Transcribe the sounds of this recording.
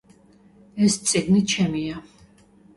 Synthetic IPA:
ɛst̪sʼɛɡnit͡ʃʰɛmia

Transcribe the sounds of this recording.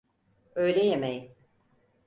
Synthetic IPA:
øjlʲɛjemeji

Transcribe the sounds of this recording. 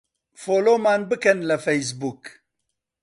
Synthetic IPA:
foːloːmaːnbɨkɛnlɐfejs̬buːk

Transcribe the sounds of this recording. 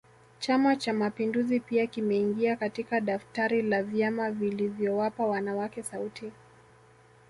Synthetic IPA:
t͡ʃamat͡ʃamapinduzipiakimɛiŋɡiakatikaɗaftaɾilavjamavilivjɔwapawanawakɛsautʰi

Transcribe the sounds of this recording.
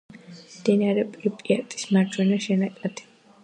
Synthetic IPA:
d̪̥ɛniaɾɛpʼɾipʼiat̪ʼi̥smaɾd͡ʒwɛnaʃɛnakʼat̪ʰi̥

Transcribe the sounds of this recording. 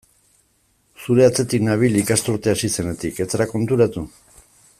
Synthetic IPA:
suɾe̞at͡se̞t̪iknaβ̞ilikast̪uɾt̪easise̞ne̞t̪ike̞t͡seɾako̞nt̪uɾat̪u

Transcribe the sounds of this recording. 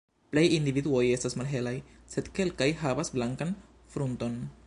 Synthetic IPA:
ple̞jindividuo̞je̞stasmalɦe̞laj | se̞dke̞lkajɦavasblaŋkan | fɾunto̞n

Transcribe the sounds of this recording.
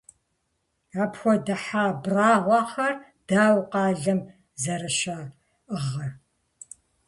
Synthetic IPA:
aːpxʷɔdɐħaːbraːʁʷɑːχɐr | d̥aːwqɑːɮɐm | zɐɾɐʃa | ɨʁɐ

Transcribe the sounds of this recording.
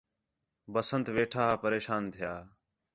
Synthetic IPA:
bəsənt̪ʋeːʈʰaːɦːpəɾeːʃaːnt̪ʰɪjaː

